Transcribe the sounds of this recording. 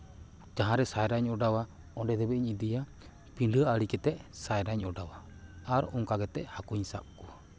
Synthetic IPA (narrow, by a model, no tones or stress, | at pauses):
d͡ʒaɦãɾɛsajɾaɲɔɖawa | ɔɖɛd̪ɛbɛiɲid̪ija | piɳɖʱəaɽikɛt̪ɛʔsajɾaɲɔɖawa | aɾɔŋkaɡɛt̪ɛʔhakuɲsa̰p̚kɔwa